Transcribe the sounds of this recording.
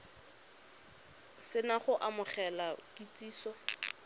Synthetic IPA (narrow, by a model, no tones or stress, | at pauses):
sɪnaχʊʔamʊχɛlakit͡sʼiːsɔ